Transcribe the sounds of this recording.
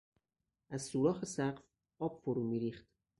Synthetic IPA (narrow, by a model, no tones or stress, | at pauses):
ʔæzsuːɾɒːxesæɢf | ɒːb̥foɾuːmiːɾiːχt̪